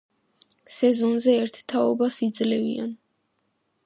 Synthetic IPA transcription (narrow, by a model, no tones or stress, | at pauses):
sɛzɔnzɛɛɾt̪ʰt̪ʰaɔbasid̪zlɛvḭa̰n